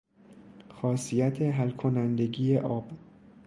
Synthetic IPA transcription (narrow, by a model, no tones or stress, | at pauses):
xɒːsijæt̪ʰeɦælkʰonænd̪e̞ɟiːjeʔɒːb̥